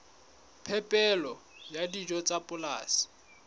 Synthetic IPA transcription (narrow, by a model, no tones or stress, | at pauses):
pʰɛpʼɛlɔjadid͡ʒɔt͡sʼapʼʊlaːsɪ̥